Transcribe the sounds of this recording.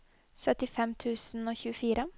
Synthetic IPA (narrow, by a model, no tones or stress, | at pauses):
sœt̪ɪfɛmt̪ʰʉːsn̩oːçʉːəfiːɾə